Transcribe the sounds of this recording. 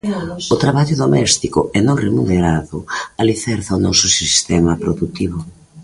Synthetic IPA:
ʊt̪ɾaβaʎʊðomɛst̪ikʊɛnoremuneɾaðʊaliθɛɾθɐaonɔsʊsist̪ɛmɐpɾoðut̪iβʊ

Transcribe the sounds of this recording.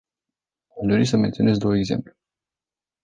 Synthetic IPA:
aʃd̪o̞ɾisəme̞nt̪sio̞ne̞zd̪o̞wəeɡze̞̰mplu

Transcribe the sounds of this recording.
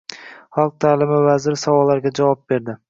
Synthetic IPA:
χɑlˠq̚t̪ʰaːlɪmɪvazɪɾɪsavɒlːaɾɡʲad͡ʒavɒp̚be̞ɾd̪ɪ

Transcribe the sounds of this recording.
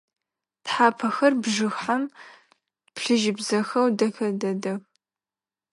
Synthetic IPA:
tħaːpʰɐxɐrbʐɨxħam | pɬɨʒɪbzɐxɐwdɐxɐdɐdɐx

